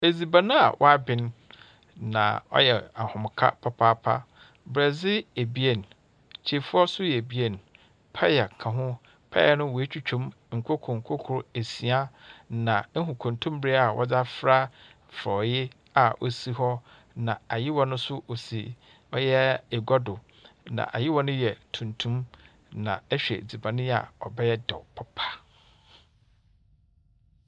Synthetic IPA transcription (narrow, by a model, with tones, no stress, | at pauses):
e˨zi˨ba˨nã˦a̰˨wʔɔ̰˦a˦bɪ̃˨n | nã̰˨ɔ̰˦jɛ˨a˨hʊ̃˨m˨kʰa̰˦pʰa˦pʰa˦pʰa̰˦ | bɪ˨ɾɛ˨d͡zɪ˦e˨bi˦e˦˨n | t͡ɕʰe˨fʊ˦ɔ˦sʊ˦jɛ˨bi˦e˦˨n | pʰa˦jɛ˨kʰã˨ɦʊ̃˦ | pʰa̰˦jɛ˨nʊ̃˦wɔ˨e˦t͡ɕᶣu˦t͡ɕᶣõ˦m | ŋ̩˨kʰo˦kʰʊ˨ŋ̩˨kʰo˦kʰʊ˨ɾe˨si˨a˦nã˨ŋ̩˦ɦʊ̃˨kʰʊ̃˨ntʰʊ̃˦m˦bɪ˦ɾe˦a˨wʔɔ̰˦d͡za˦fɾa˦ | fɾɔ˨jɪ˦ | a˨ʔo̰˦si˦hɔ˦ | nã˨a˨jɪ˦wɔ̃˨˦nʊ̃˦sʊ˦ʔo˨si˨ | ɔ˦jɛ˦ɛ˨ɡɔ˦dʊ˨ | nã̰˨ʔa˨jɪ˦wɔ̃˦nʊ̃˦jɛ˨tʰũ˨ntʰũ˦m | nã̰˨ɛ˦ɕᶣɛ̰˨d͡zi˨bã˨nɪ̃˦a̰˨ɔ˨bɛ˦jɛ˦dɔ̰˨pʰɔ˦pʰḁ˨